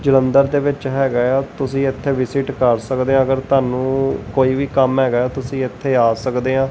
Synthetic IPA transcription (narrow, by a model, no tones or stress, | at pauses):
d͡ʒələ̃nd̪əɾd̪eːʋɪt͡ʃɦɛːɡaːaːt̪ʊsĩːɪt̪ʰːeːʋɪsɪʈkəɾsəkd̪eːãːəɡəɾt̪aːnũːkoːiːʋiːkəmɦɛːɡaːjɛːt̪ʊsĩːɪt̪ʰːeːaːsəkd̪eːãː